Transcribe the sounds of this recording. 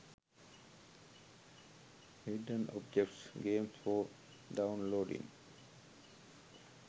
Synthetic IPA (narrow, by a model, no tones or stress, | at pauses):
hiɖə̃nɔ̰b̚d͡ʒɛk̚ʈsɡẽːmfɔ | ɖaʊ̃nloːɖɪ̰̃ŋ